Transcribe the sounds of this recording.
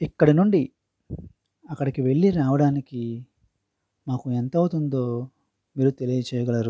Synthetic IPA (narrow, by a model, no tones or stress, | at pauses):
ikːɐɽinuɳɖi | ɐkːɐɽikiʋe̞ɭːiɾaːʋɐɽaːniki | maːkuent̪ɐwut̪und̪o̞ː | miːɾut̪e̞lijɐt͡ʃɛːjɐɡɐlɐɾu